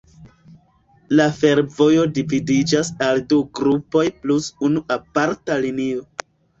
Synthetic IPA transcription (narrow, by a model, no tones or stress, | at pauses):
lafe̞ɾvo̞jo̞dividid͡ʒasalduɡɾupo̞jplusunuʔapaɾtalinio̞